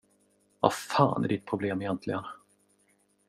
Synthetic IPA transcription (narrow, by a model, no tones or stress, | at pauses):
va̰faːnʔæ̰ɖɪt̪̚pʰɾʊbleːmɪjɛnt̪ʰlɪɡən